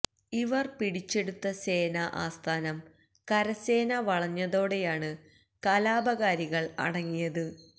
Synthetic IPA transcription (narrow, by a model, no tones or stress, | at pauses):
iʋɐrpiɽit͡ɕːe̞ɽut̪ːɐse̞ːnɐʔa̰ːst̪ʰaːnɐm | kɐɾɐse̞ːnɐʋɐɭɐɲːɐðo̞ːɽe̞jaːɳɨ | kɐlaːbɐɣaːɾiɣɐɭɐ̰ɽɐŋːijɐðɨ